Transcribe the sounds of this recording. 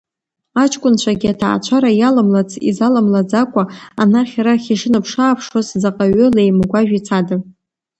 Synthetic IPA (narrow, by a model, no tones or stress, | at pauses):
at͡ʃʰʼkʷʼʊnt͡ɕʷʰaɡʲatʰa̰ːt͡ʃʷʰaɾajalamlat͡sʰʼḭzalamlad͡zakʷʼaanarχʲaɾaχʲiʂɨnɨpʰʂaːpʰʂwoszaqʼaɥʏlejmɡʷaʒᶣit͡sʰada